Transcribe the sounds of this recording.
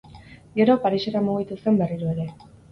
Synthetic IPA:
ɡe̞ɾo̞paɾise̞ɾamuɣit̪use̞mbe̞riɾue̞ɾe̞

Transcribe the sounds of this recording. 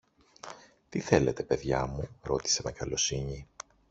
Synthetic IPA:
t̪iθe̞le̞t̪e̞pe̞ðʝɐmuɾo̞t̪i̥se̞me̞kɐlo̞siɲi

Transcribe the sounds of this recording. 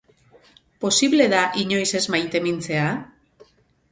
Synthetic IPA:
po̞siβle̞ðaʔiɲo̞jse̞zmajt̪e̞mint͡se̞a

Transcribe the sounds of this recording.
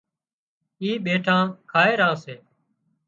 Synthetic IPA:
iːɓeːʈʰãːkʰaːeːɾãːseː

